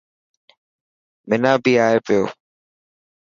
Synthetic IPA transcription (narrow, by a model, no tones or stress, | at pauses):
mɪnaːbʱiːaːeːpɪjo̰ː